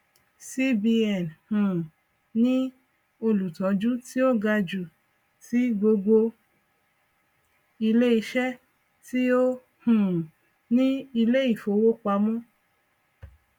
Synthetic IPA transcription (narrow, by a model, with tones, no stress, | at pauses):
si˦bi˧ɛ˨nhũ˨ | nĩ˦ | o˧lu˨tɔ̃˨˦d͡ʒu˦ti˦o˦ɡa˧d͡ʒu˨ | ti˦ɡ͡bo˧ɡo˧ | i˧le˦i˧ʃɛ˦ | ti˦o˦ | hũ˨ | nĩ˦i˧le˦i˦˨fo˨˦wo˦k͡pa˧˦mɔ̃˦